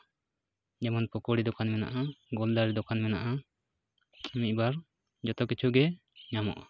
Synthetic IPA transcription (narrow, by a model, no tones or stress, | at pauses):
d͡ʒɛmanpɔkɔɽid̪ɔkʰanmɛna̰ʔaɡɔld̪aɾid̪ɔkʰanmɛna̰ʔa | imit̪̚baɾ | d͡ʒɔt̪ɔkit͡ʃʰuɡɛ | ɲamɔ̰ʔa